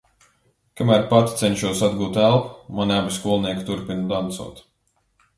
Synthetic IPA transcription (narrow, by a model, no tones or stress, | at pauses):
kamæːɾpat̪ʲit̪sɛnʃuɔsad̪ɡuːt̪ælˠpmanabʲiskuɔlˠniɛkt̪uɾpʲinud̪ant̪sṵːt̪